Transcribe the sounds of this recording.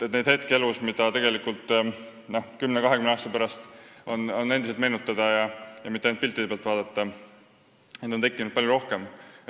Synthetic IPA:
et̪nejd̪̥he̞t̪kelusmid̪̥ɑt̪e̞ɡ̥e̞likˑult̪ˑ | nohkymnekɑɦekymneɑːst̪ɑpæɾɑst̪o̞no̞nːe̞nd̪iset̪me̞ːnut̪ːˑɑd̪̥ɑjɑjɑmit̪ːˑeenpilt̪ːˑid̪eeɑlt̪vɑːd̪ɑt̪ːˑɑ | ned̪ot̪e̞kːˑinud̪̥̚pɑljoɾo̞hke̞m

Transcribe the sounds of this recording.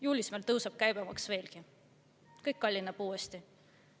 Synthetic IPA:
juːlʲismeːlt̪ɤwsɑb̥̚kæjbemɑksve̞ːlki | kɤjkːɑlʲːinːɑb̥uːest̪i

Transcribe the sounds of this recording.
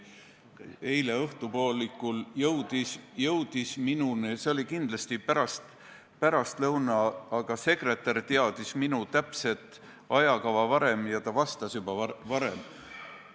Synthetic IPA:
e̞jle̞ɤht̪upo̞ːlːikːˑuljɤwd̪̥isjɤwd̪̥isminuneseo̞lʲikind̪̥lɑst̪ipæɾɑst̪ | pæɾɑst̪lɤwnɑːɡ̥ɑse̞kre̞t̪ːˑɑɾt̪eɑd̪̥isminut̪æpse̞t̪ˑ | ɑjɑkɑvɑvɑɾe̞mjɑt̪ɑvɑst̪ɑsjubɑɑvɑɾe̞̰m

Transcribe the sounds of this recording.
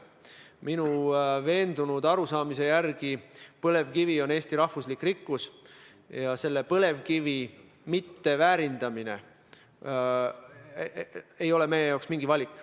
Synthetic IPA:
minuve̞ːnd̪̥unud̪̥ɑɾusɑːmise̞jærɡ̥ipɤle̞vkivio̞ne̞ːst̪iɾɑhvuslikːˑrikːus | jɑse̞lːe̞pɤle̞vkivi | mit̪ːe̞væːɾind̪̥ɑminḛ | e̞jo̞le̞me̞jejɑwksmiŋɡ̥ivɑlʲikːˑ

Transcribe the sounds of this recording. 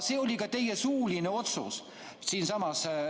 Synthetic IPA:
se̞ːolʲikɑt̪e̞jɛsuːlinəo̞t̪sṵs | siːnsɑmɑs

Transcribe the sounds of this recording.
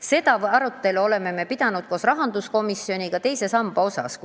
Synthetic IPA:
se̞d̪̥ɑɑɾut̪ːˑe̞luo̞le̞me̞me̞pid̪̥ɑnud̪̥̚ko̞srɑɦɑnd̪̥usko̞misːio̞nʲikɑt̪e̞jse̞sɑmb̥ɑo̞sɑ̰sk

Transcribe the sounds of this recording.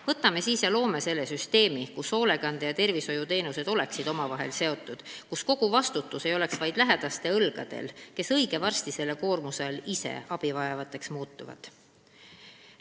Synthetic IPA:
vɤt̪ːˑɑme̞siːsjɑlo̞ːmese̞lːe̞syst̪e̞ːmikuso̞ːle̞ɡ̥ɑnd̪̥ejɑt̪e̞rviso̞jut̪e̞ːnuse̞d̪̥o̞le̞ksid̪̥o̞mɑvɑɦe̞̰lse̞o̞t̪ːˑud̪̥kusko̞ɡ̥uvɑst̪ut̪ːˑuse̞jo̞le̞ksvɑjd̪̥læɦed̪̥ɑst̪e̞ɤlɡ̥ɑd̪̥e̞̰lke̞sɤjɡ̥e̞vɑrst̪ise̞lːeko̞ːrmuselisḛɑb̥ivɑjɑvɑt̪ːˑe̞ksmuːt̪ːˑuvɑ̰d̪̥

